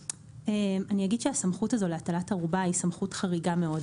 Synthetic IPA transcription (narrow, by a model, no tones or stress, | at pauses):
emanijaɡidʃeasamχutazo̞leatalataʁubaisamχutχaʁiɡame̞o̞d